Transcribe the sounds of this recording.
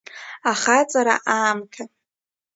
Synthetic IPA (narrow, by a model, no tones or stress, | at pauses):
aχat͡sʼaɾa̰ʔaːmkʰa